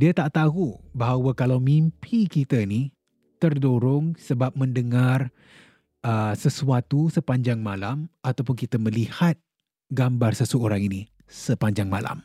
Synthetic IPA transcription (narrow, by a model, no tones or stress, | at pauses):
diət̪aʔt̪aɦubaɦawakalawmimpʰikit̪əini | t̪ərdoɾʊŋsəbap̚məndəŋar | əsəsuat̪usəpaɲd͡ʒaŋmalamat̪awpʊnkit̪əməlihat̪̚ | ɡambarsəsəoɾaŋini | səpaɲd͡ʒaŋmala̰m